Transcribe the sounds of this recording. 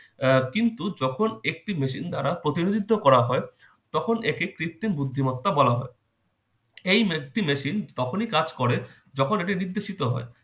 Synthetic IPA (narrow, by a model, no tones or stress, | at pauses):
kint̪ud͡ʑɔkʰonek̚ʈimeʃind̪aɾapɾot̪iɾod̪it̪ːokɔɾaɦɔe | t̪ɔkʰonekekɾit̪ːinbud̪ʱːimɔt̪ːabɔlaɦɔ̰e | ejmek̚ʈimeʃint̪ɔkʰonikad͡ʑkɔɾe | d͡ʑɔkʰoneʈiniɾd̪eʃit̪oɦɔ̰e